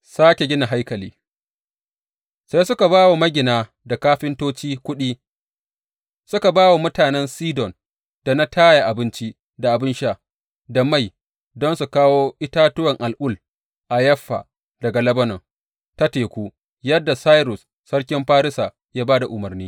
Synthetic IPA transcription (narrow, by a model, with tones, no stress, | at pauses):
saː˦kʲe˨ɡʲɪ˦na˨ɦa˦jkɐ˨liː˦ | sa˦jsʊ˦ka˨baː˦wa˨mɐ˦ɡʲɪ˨naː˨ | da˨kaː˦ɸɪ˦ntoː˦t͡ʃiː˦kʷʊ˦ɗiː˦ | sʊ˦ka˨baː˦wa˨mʊ˦taː˨nɛ˦nsiː˦dɔ˨n | d̥a˨na˦tʰaː˦ja˨ʔa˨bɪ˦nt͡ʃi˦ | da˨ʔa˨bɪ˦nʃa˦ | da˨ma˦˨j | dɔ˦nsu˨kaː˦woː˦ʔɪ˦taː˦tʊ˦wɐ˨ŋʔa˨lʔʊ˦˨l | ʔa˨jɐ˦ɸːa̰˨ | dɐ˨ɡa˨lɐ˦bɐ˦nɔ˨ŋ | ta˦teː˨kʷuː˦ | jɐ˦dːa˨saː˦jɾʊ˨sːɐ˦rk̬ʲɪ˦mɸaː˦ɾɪ˦sa˨ | jaː˦baː˦da˨ʔʊ˨mɐ˨rniː˦